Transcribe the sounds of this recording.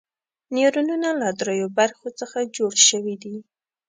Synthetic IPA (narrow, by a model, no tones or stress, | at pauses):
niɾununalad̪ɾojobaɾxot͡səxad͡ʒoɽʃəwid̪i